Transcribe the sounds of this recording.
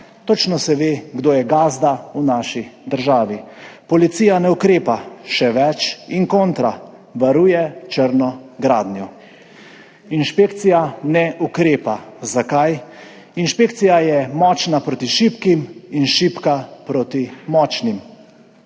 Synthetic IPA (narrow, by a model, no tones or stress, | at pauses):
t̪ot͡ʃnɔsɛʋeːɡd̪oːjɛɡaːzd̪aunaːʃid̪əɾʒaːʋipɔlit̪sijanɛukɾeːpaʃɛʋɛt͡ʃiŋkoːnt̪ɾa | ʋaɾuːjɛt͡ʃəɾnɔɡɾaːd̪njɔ | inʃpeːkt̪sijanɛʔukɾeːpazakaj | inʃpeːkt̪sijajɛmɔːt͡ʃnapɾoːt̪iʃipkiminʃipkapɾot̪imɔːt͡ʃnim